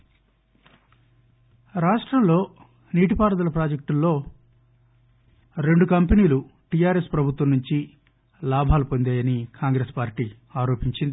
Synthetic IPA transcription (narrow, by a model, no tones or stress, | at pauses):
ɾaːʂʈɾɐmlo̞ː | niːʈipaːɾɐd̪ɐlɐpɾaːd͡ʒek̚ʈulːo̞ː | ɾe̞ɳɖukɐmpeniːluʈijaːɾespɾɐbʱut̪ʋɐmnuɲt͡ʃi | laːbʱaːlupo̞nd̪eːjɐnikʰaːŋɡɾe̞ːspaːɾʈiː | aːɾo̞ːpiɲt͡ʃind̪i